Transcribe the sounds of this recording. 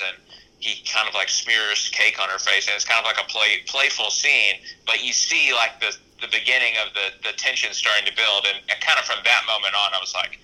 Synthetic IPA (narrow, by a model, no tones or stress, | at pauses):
ɨ̃n | hikʰãɪ̃ndʌvlaɪksmɪɹz̥kʰeɪkn̩ə˞feɪsɨ̃nɨtskʰãɪ̃ndʌvlaɪkəpʰl̥eɪpʰl̥eɪfl̩ˠsĩnb̥ʌt͡ʃɨsilaɪk̚ðɨ | ðɨbɨɡɪ̃nɪ̃ŋʌvðɨðɨtʰɛ̃nʃɨ̃nstɑɹɾɪ̃ŋtʰɨbɪlˠdɨ̃nɨkʰãɪ̃ndɨfɹʌ̃mðɨt̚mõʊ̃mɨ̃ñn̩aɪwʌz̥laɪk